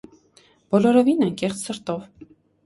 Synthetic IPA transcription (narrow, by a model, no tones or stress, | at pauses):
b̥ɔlɔɾɔvinɑŋkɛχt͡sʰsəɾt̪ɔv